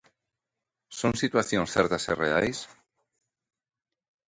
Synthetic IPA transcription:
so̞nsit̪waθjonsθeɾt̪aserḛajs

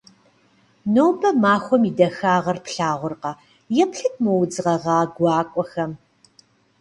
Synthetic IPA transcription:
nowbɐmaːxʷɔmidɐxaːʁɐrpɬaːʁʷʊrqɐ | jɛpɬɨt̚ʰmowd͡zɨʁɐʁɑːɡʷɑːkʷʼɔxɐm

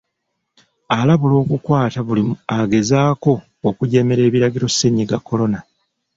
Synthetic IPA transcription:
alaβulo̞ːkukwaːtaβuliaɡe̞zaːko̞ː | kuɟe̞me̞ɾe̞ːβiɾaɡiɾo̞seɲiɡakʰːo̞lo̞na

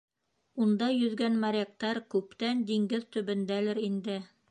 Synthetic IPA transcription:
und̪ɑjɵ̆ðɡænmaɾʲek̚t̪ɑɾkʉpt̪ænd̪iŋɡɘðt̪ɵ̆βɘ̆nd̪ælɘɾind̪ɘ

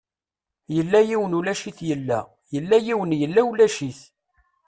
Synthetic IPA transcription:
jəlːæjiwənulæʃiθjəlːæ | jəlːæjiwənjəlːæulæʃiθ

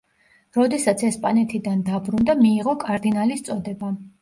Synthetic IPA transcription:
ɾɔd̪ɛsat̪sʰɛspʼanɛt̪ʰid̪and̪abɾund̪amiːʁɔkʼaɾd̪inalist̪sʼɔd̪ɛba

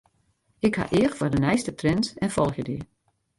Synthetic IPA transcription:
ɪkha̰ʔɪəxfɔdənɛjstətrɛntɛnfɔlˠxjədi

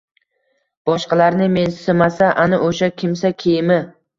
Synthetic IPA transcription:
b̥ɒʃqɑlaɾnɪmensɪmasaʔanɪʔoʃakʲʰɪmsakʲʰejmɪ

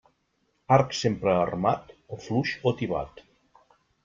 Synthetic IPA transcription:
aɾksempɾəːrmat̪ofluʃot̪iβa̰t̪

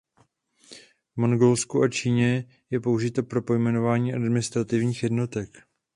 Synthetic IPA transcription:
vmoŋɡolskuʔat͡ʃiːɲɛ | jɛpo̞uʒɪt̪opɾo̞po̞jmɛno̞vaːɲiːʔadmɪnɪst̪ɾat̪ɪvɲiːxjɛdno̞t̪ɛk

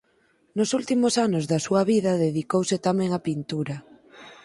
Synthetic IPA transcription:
nosult̪imosanozðɐsuɐβiðɐðeðikowsɪt̪amẽŋapint̪uɾɐ

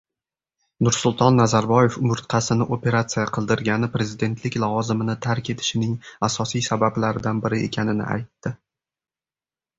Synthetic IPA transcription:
nʊɾsʊlˠt̪ʰɒnːazaɾbɒje̞fmʊɾt̪qʰɑsɪnɪʔopʰʲe̞ɾat̪sijaqʰɨlˠd̪ɪɾɡʲanɪpɾe̞zɪd̪e̞nt̪ʰlɪkʲlˠɒvɒzɪmɪnɪt̪ʰaɾkʲe̞t̪ʰɪ̥ʃɪnɪŋasɒsijsabablaɾɪd̪anbɪɾɪe̞̰kʲʰanɪnɪ̰ʔa̰jt̪ːɪ

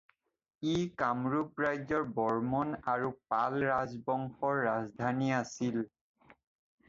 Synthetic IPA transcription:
ikamɹupɹajzɔɹbɔɹmɔnaɹupalɹazbɔŋxɔɹːazdʱaniasil

